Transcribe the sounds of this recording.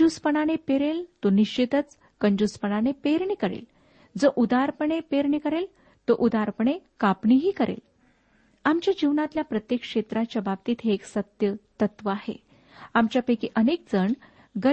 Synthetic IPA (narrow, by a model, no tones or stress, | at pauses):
uspəɳanepeɾelt̪oniɕit̪ət͡s | kəɲd͡ʑuspəɳanepeɾɳikəɾḛl | d͡zoʔud̪aɾpəɳepeɾɳikəɾel | t̪oʔud̪aɾpəɳekapɳiɦiːkəɾḛl | amt͡ɕjad͡ʑiʋnat̪ljapɾət̪jekʂet̪ɾat͡ɕjababt̪iːt̪ʰeːksət̪jət̪ət̪ʋəaɦḛ | amt͡ɕjapekiʔənek̚d͡zəɳ | ɡə